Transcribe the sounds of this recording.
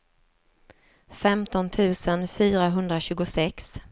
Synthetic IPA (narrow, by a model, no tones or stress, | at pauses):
fɛmt̪ɔnt̪ʰʉ̟ːsənfyːɾaɦɵnd̪ɾaɕʉ̟ːɡʊsɛks